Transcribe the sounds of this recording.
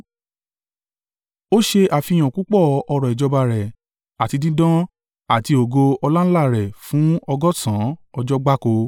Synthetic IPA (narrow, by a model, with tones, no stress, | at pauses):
o˦ʃe˧ʔa˨fi˧j̃ã˨ku˦k͡pɔ˦˨ɔ˧ɾɔ˨i˨d͡ʒɔ˧ba˧ɾɛ˨ | a˨ti˧dĩ˦dɔ̃˦ | a˨ti˧o˨ɡo˧ɔ˧la˦la˦˨ɾɛ˨fũ˨˦ɔ˧ɡɔ˦sã˨˦ɔ˧d͡ʒɔ˦ɡ͡ba˦ko˧